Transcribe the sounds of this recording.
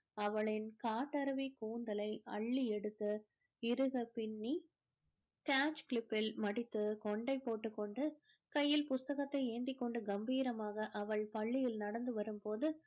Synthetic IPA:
ɐʋɐɭɪnkaːʈːɐɾɐʋikuːnd̪ɐlɐɪʔɐɭːiɛɽɯt̪ːɯ | ɪɾɯɣɐpɪɳːi | kaːt͡ʃkɭɪpːɪlmɐɽɪt̪ːɯkɔɳɖɐɪpːoːʈːɯkːɔɳɖɯ | kɐjːɪlpʊst̪ɐɣɐt̪ːɐɪeːnd̪ɪkːɔɳɖɯɡɐmbiːɾɐmaːɣɐʔɐʋɐɭpɐɭːɪjɪlnɐɽɐnd̪ɯʋɐɾɯmpoːðɯ

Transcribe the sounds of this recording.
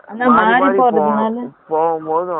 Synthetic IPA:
aːnaːmaːɾiɾpoːɾɐðɯnaːlɯpoõ

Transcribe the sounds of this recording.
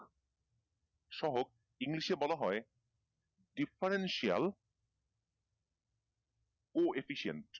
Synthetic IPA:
ʃɔɦoɡ̚ | iŋliʃebɔlaɦɔe | ɖifaɾenʃia̰l | koʔefiʃiḛnʈ

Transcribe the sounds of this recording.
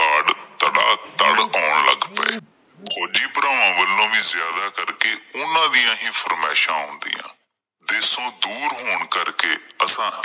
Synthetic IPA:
aɽt̪əɽa̰ːt̪əɽaːɳlə̰ɡpɛ̰ː | kʰoːd͡ʒiːpəɾaːʋãːʋəlːõːʋiːzjaːd̪aːkəɾkeːʊnãːd̪ijãːɦiːpʰəɾmɛːʃãːɦʊ̃nd̪ḭːjã̰ː | d̪esõːd̪uːɾɦoːɳkəɾkeːəsãː

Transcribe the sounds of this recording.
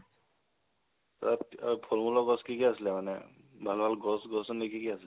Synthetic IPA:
taapʰolmulɔɡɔskikiasilɛmanɛ̰ | bʱalbʱalɡɔsɡɔsɔnekikiasilɛ

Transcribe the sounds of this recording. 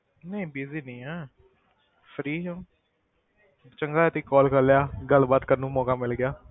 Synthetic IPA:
nəĩːbiːziːnĩːɛː | fʰəɾiːɦõː | t͡ʃəŋɡaːt̪iːkɔːlkəɾljaːɡəlbaːt̪kənũːmɔːkaːmɪlɡɪjaː

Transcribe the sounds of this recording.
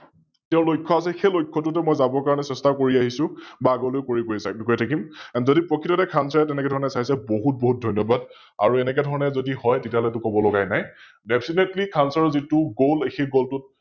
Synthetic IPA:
tɛʊ̃lojkʰːɔas̬ɛxelojkʰːɔt̬ʊtɛmɔjzabɔkaɹɔnɛsɛstakoɹiaɦisʊ̃baːɡɔlojkoɹikoisabikɔjtʰakimanzodipɹɔkʰːitɔtɛkʰansɔɹɛtɛnɛkɛdʱɔɹɔnɛsajsɛboɦut̚boɦut̚dʱɔjnjɔbad | a̰ɹuɛnɛkɛdʱɔɹɔnɛzodihɔjtetiaɦɔlɛtʊkɔbɔlɔɡajnaj | dɛpʰsinetlikʰansɔɹzitʊɡolexeɡoltʊt̚

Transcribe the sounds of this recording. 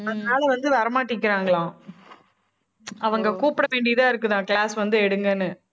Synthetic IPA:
ɐðɐnaːlɐʋɐnd̪ɯʋɐɾɐmaːʈikːɪɾaːŋɡɐɭãː | ɐʋɐŋɡɐkuːpɐɽɐʋeːɳɖɪjɐðãːɪɾɯkːɯðãːkɭaːsʋɐnd̪ɯɛɽɯŋɡɐnːɯ

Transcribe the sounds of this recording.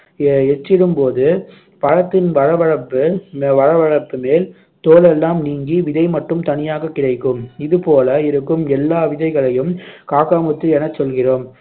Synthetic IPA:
ɛt͡ʃːɪɾɯmpoːðɯ | pɐɻɐt̪ːɪnʋɐɻɐʋɐɻɐpːɯʋɐɻɐʋɐɻɐpːɯmeːl | t̪oːlɛlːaːmniːŋɡiʋɪðɐɪmɐʈːɯmt̪ɐnɪjaːɣɐkːɪɽɐɪkːɯmɪðɯpoːlɐɪɾɯkːɯmɛlːaːʋɪðɐɪɣɐɭɐjɯmkaːkaːmɯt̪ːɯɛnɐt͡ʃɔlɣɪroːm

